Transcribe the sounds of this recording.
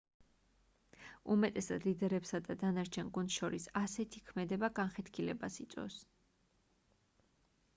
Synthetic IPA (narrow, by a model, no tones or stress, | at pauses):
umɛt̪ʼɛsad̪lid̪ɛɾɛpsad̪ad̪anaɾt͡ʃʰɛnɡunʃɔɾisasɛt̪ʰikʰmɛd̪ɛbaɡanχɛt̪kʰilɛbasit̪sʼɔ̰s